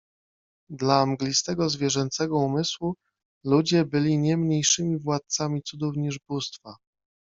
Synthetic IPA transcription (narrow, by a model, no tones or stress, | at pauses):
d̪laːmɡlʲist̪ɛɡɔzvʲjɛʐɛnt̪sɛɡɔumɘswu | lud͡ʑɛbɘlʲiɲɛmɲejʂɘmʲivwat̪̚samʲit̪sud̪ufɲiʐbust̪fa